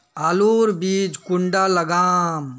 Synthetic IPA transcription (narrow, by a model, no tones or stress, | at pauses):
aːloːɾbiːd͡ʒkʊɳɖaləɡaːm